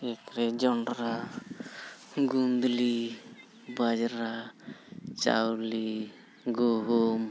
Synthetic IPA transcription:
ekɾɛd͡ʒɔɳɾa | ɡund̪li | bad͡ʒɾa | t͡ʃa̰wli | ɡoɦum

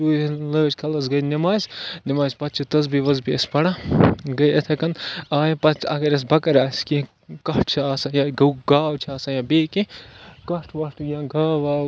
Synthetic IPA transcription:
uːləːt͡ʃkʰɐlɐzɡɐjnimaːzʲnimaːzʲpɐt̪̚t͡ʃʰit̪ɐzbiʋɐzbiespɐɽaɡɐjet̪ʰɐkɐnaːjpɐt̪t͡ʃʰɐkɐɾɐs̬bɐkɐɾaːski | kɐʈ̚ʰt͡ʃʰiaːsajaːɡɡaːwt͡ʃʰiaːsɐjabeːkikɐʈʰʋɐʈʰjãːɡʱaːʋaː

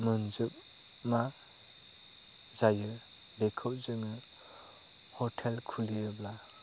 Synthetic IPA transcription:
mɯnzɯp̚ | ma | zajɯ | bekʰɯp̚zɯŋɯ | hɔtʰelkʰuliɯbla

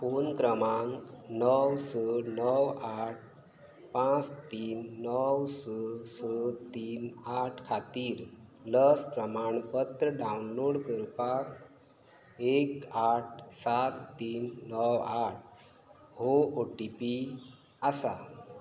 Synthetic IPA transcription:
ponkɾəmaŋnəwsənəwaʈ̚ʰ | pãt͡st̪iːnːəwsəsət̪iːnaʈʰkʰat̪iːɾləspɾəmaɳpət̪ɾəɖawunloɽkəɾpak | ekaʈ̚ʰsat̪ːiːnːəwaʈ̚ʰ | ɦooʈipi | asa

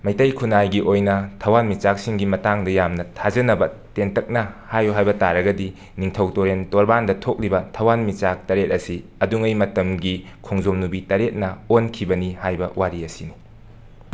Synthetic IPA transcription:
mɐjtɐjkʰunajɡiʔojnɐtʰɐwanmit͡ʃak̚siŋɡimɐtaŋdɐjamnɐtʰazɐnɐbɐtentɐk̚nɐhajuɦajbɐtaɾɐɡɐdi | niŋtʰɐwtoɾentoɾbandɐtʰok̚libɐtʰɐwanmit͡ʃak̚tɐɾet̚ɐsiɐduŋɐjmɐtɐmɡi | kʰoŋzomnubitɐɾet̚nɐonkʰibɐnihajbɐwaɾiɐsini

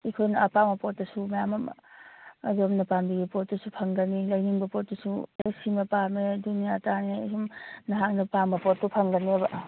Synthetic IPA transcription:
ikʰojnɐɐpamɐpotdɐsumɐjamɐ | zomnɐpambiɡipot̚ːɐsupʰɐŋɡɐnilɐjniŋbɐpot̚dɐsuesimɐpamedunijatanesumnɐɦak̚nɐpambɐpot̚tupʰɐŋɡɐnebɐ

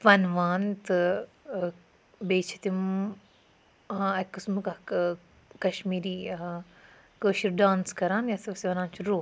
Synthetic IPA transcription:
fɐnʋaːnt̪ɨ | beːt͡ʃʰi̥t̪im | ãɐkːɨsmka | kɐʃmiːɾiː | kəːʃiɾɖãːnskɐɾaːnjasɐbsiʋɐɾaːnt͡ʃʰiɾoː

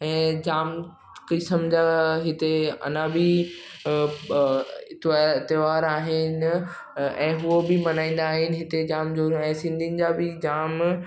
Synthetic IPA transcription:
ɛ̃ːd͡ʑaːm | kɪsəmd͡ʑaɦɪt̪eɐ̰nabɪ | ɪt̪ʋaɪt̪ɪʋaːɾaːɦɪnɪ | ɛ̃ːɦuobɪmɐnãːĩn̆d̪aːɦɪnɪ̆ɦɪt̪ed͡ʑaːmd͡ʑoːɛ̃ːsɪ̃nd̪ʱiənɪ̆d͡ʑaːbɪd͡ʑaːm

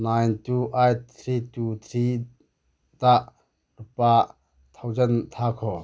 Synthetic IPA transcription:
najntuʔajt̪ʰɾitut̪ʰɾi | daʔ | rupa | t̪ʰɐwzɛnt̪ʰakʰɔ

